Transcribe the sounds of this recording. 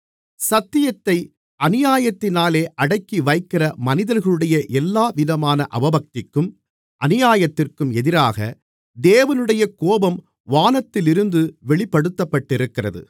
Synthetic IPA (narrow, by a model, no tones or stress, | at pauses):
sɐt̪ːɪjɐt̪ːɐɪ | ʔɐnɪjaːjɐt̪ːɪnaːleːʔɐɽɐɪkːiʋɐɪkːɪrɐmɐnɪðɐɾɣɐɭɯɽɐjɐʔɛlːaːʋɪðɐmaːnɐʔɐ̰ʋɐbɐk̚t̪ɪkːɯm | ʔɐnɪjaːjɐt̪ːɪrkɯmɛðɪɾaːɣɐ̰ | d̪eːʋɐnɯɽɐjɐkoːbɐm | ʋaːnɐt̪ːɪlɪɾɯnd̪ɯʋɛɭɪpːɐɽɯt̪ːɐpːɐʈːɪɾɯkːɪrɐ̰ðɯ̰